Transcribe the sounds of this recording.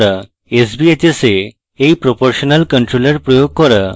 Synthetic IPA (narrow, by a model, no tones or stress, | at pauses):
ɾa | esbiet͡ɕese | ejpɾopoɾɕɔnalkəɳʈɾoləɾpɾɔjoɡ̚kɔɾa